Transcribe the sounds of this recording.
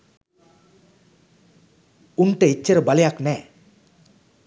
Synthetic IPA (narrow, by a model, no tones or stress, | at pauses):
unʈeit͡ʃːeɾbʌljakne